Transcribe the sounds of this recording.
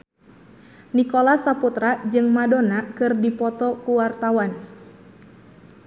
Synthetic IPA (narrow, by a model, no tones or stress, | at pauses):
nikɔlasaput̪ɾad͡ʒɨŋmadonakɨrdipɔt̪ɔkuwart̪awan